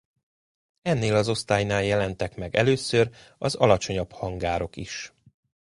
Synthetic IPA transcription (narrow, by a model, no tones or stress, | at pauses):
ɛnːeːlɒzo̞st̪aːjnaːljɛlɛnt̪ɛkmɛɡɛ̰løːsør | ɒ̰zɒ̰lɒt͡ʃo̞ɲɒbhɒŋɡaːɾo̞kiʃ